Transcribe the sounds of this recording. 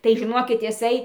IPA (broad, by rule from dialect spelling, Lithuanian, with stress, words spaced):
tɐɪ ʒʲɪˈnoːkʲɪt ɪˈsɐɪ